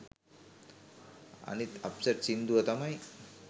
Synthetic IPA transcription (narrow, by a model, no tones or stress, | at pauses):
a̰nit̪ɐ̰psəʈsind̪uʋət̪amaj